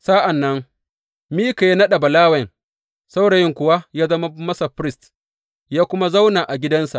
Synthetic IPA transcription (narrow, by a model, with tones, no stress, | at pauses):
sa˦ʔa˨nːɐ˦ŋ | miː˦ka˨ji˦nɐ˦ɗa˨bɐ˨laː˦wɐ˨ŋ | sa˦wɽa˨jɪ˦˨ŋkʷʊ˦wa˦jaː˦zɐ˦ma˦mɐ˦sa˨ɸɾɪ˦st | jaː˦kʷʊ˦ma˦za˦wnaː˨ʔa˨ɡʲɪ˦dɐ˦nsa̰˨ʔ